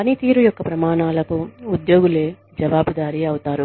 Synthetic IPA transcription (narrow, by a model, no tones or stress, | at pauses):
pɐnit̪iːɾujɔkːɐpɾɐmaːɳaːlɐkuːd̪jo̞ːɡule̞ː | d͡ʒɐʋaːbʱɐd̪aːɾiɐwt̪aːɾu